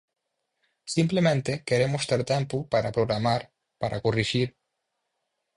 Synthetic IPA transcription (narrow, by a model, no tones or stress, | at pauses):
simplemẽnt̪ekeɾemost̪eɾt̪ɛmpupaɾapɾoɣɾamaɾ | paɾʔa̰koriʒiɾ